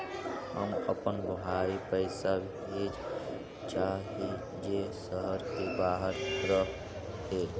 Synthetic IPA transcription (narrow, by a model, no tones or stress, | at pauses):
hə̰məpənbəɦaːipəɪsab | ɦed͡ʒ | t͡ʃaːɦe | d͡ʒesəɦəɾkebaːɦəɾɾəɦ | ɦe